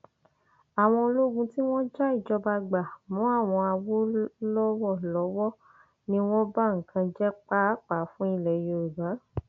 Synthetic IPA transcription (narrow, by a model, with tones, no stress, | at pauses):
a˨w̃ɔ̃˧lo˦ɡũ˧ti˦w̃ɔ̃˦d͡ʒa˦i˦˨d͡ʒɔ˧˦ba˧ɡ͡ba˨mũ˨˦a˦˨w̃ɔ̃˧a˧wo˦lɔ˦wɔ˦˨lɔ˨˦wɔ˦˨ | nĩ˦w̃ɔ̃˦ba˦ŋ̩˨kʰã˧d͡ʒɛ˦k͡pa˦k͡pa˨˦fũ˦i˦˨lɛ˨jo˧ɾu˨ba˨˦